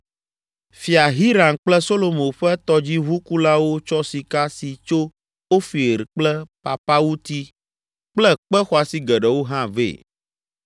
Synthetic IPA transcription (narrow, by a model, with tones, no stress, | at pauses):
fi˨a˨ɦi˦ɾa˨nk͡plɛ˦so˦lo˦mõ˨ɸɛ˦t̪ɔ˦d͡ʑi˦βu˦ku˦la˦wo˦t͡ʃɔ˦si˨ka˦si˨t͡ʃo˦ | wo˦fi˨ɾk͡plɛ˦pa̰˨pa˦wu˦t̪i˦ | k͡plɛ˦k͡pɛ˦xɔ˨a˨si˦ɡɛ˨ɖɛ˨wo˦ɦã˦vḛ˦˨